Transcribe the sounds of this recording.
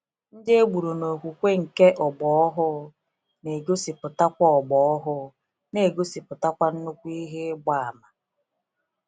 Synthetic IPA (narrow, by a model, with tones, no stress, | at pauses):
n̩˦dɪ˦e˦ɡ͡bu˨ɾu˨no˨kʷu˨kʷe˦ŋ̩˨ke˦ʔɔ˨ɡ͡bɔ˨ɔ˦ɦʊ˦ | ne˨ɡo˦si˨pʊ˨ta˦kʷɔ˦ɔ˨ɡ͡bɔ˨˦ɔ˦ɦʊ˦ | ne˨ɡo˦si˨pʊ˨ta˦kʷa˦n̩˦no˦kʷu˦i˦ɦe˦ɡ͡ba˨a˨ma˨